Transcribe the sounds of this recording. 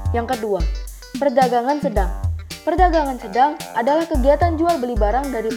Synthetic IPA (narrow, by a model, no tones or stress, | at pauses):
jaŋkədua | pərdaɡaŋansədaŋpərdaɡaŋansədaŋʔadalahkəɡiat̪and͡ʒualbəlibaɾaŋdaɾi